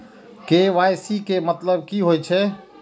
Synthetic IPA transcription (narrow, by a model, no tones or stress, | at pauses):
keʋajsikemət̪ləbkiɦojt͡ʃʰɛ